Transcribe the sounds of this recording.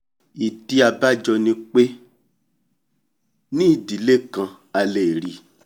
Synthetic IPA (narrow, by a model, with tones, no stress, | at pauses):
i˨di˧a˧ba˦d͡ʒɔ˧nĩ˧k͡pe˦ | nĩ˦i˦˨di˨˦le˦kã˧ | a˧le˨ɾi˨